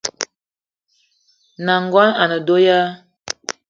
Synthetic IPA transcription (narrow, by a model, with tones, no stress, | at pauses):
na˨ŋɡwa˦na˨nə˨do˦ja˦